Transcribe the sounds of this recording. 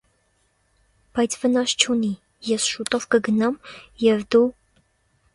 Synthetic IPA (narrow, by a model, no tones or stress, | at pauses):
b̥ɑjt͡sʰvənɑst͡ʃʰuni | jɛsʃut̪ɔvkəɡənɑmjɛvd̪u